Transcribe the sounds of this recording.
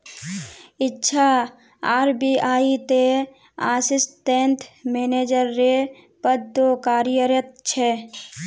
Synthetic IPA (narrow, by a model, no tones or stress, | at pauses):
ɪtːʃʰa | aːɾbiaːit̪e | aːsɪsʈẽːnʈmeːneːd͡ʒəɾːe | pəd̪okaːɾɪjəɾət̪̚t͡ʃʰɛː